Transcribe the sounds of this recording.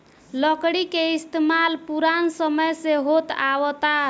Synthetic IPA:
ləkɽikeist̪emalpuɾansəməjseɦot̪awət̪a

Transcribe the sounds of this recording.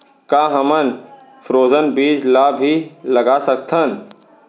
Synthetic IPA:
kaɦəmən | pʰɾoːzənbiːd͡ʒlabʱiləɡasəkt̪ʰən

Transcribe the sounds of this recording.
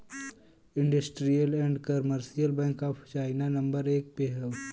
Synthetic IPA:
ɪ̃ɳɖəsʈɾijəlɛ̃ːɳɖkəɾməɾsijəlbɛ̃ːŋkaːpʰt͡ʃaːɪnanɐ̃mbəɾeːk̚peɦəʋ

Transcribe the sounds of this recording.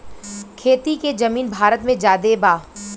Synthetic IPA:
kʰeːt̪iked͡ʒɐmiːnbʱaːɾət̪mẽd͡ʒaːd̪ebaː

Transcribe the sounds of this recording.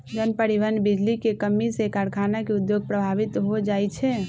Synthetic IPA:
d͡ʒənpəɾiʋənbid͡ʒlikekəmːisekaɾkʰanakeud̪joɡ̚pɾəbʱaʋit̪ɦod͡ʒaːɛt͡ʃʰɛ

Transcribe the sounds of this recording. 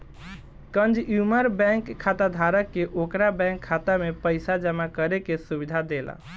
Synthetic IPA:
kənd͡ʒjuməɾbɛ̃ŋkʰːat̪ad̪ʱaɾəkːeʔokɾabɛ̃ŋkʰːat̪amepəɪsad͡ʒəmakəɾekesubid̪ʱad̪ela̰

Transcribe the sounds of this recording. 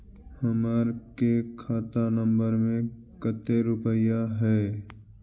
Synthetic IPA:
həmaːɾkekʰaːt̪anə̃mbəɾmẽ | kət̪eɾʊpəjaɦɛː

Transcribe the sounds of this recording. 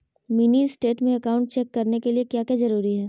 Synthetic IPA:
mɪnisʈeːʈmẽɐkaːʊ̃ɳʈ̚t͡ʃɛkːɐɾnekeliekjaːkjazɐɾuːɾiɦɛː

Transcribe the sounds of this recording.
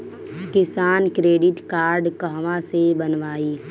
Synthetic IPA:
kɪsaːnkɾeːɖɪʈkaːɾɖkəɦʋãsebənʋaːiː

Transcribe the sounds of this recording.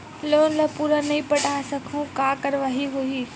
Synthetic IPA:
loːnlɐpuɾənɐĩpɐʈaːsɐkʰũkaːkɐɾʋaːɦiɦuiː

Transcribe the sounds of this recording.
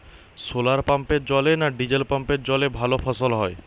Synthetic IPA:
solaɾpampeɾd͡ʑɔlenaɖid͡ʑelpampeɾd͡ʑɔlebʱalofʰɔsolɦɔe

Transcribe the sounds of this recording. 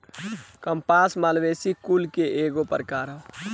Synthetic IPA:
kəmpasmalʋesikulkeʔeɡopə̰ɾkaɾə

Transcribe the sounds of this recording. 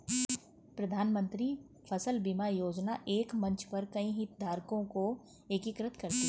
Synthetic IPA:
pɾɐd̪ʱaːnmə̃nt̪ɾi | fʰɐsəlbimajoːd͡ʒnaʔeːkmɐ̃nt͡ʃpɐɾkɐĩɦɪt̪d̪ʱaːɾkõko | ekɪkɾət̪kɐɾt̪i

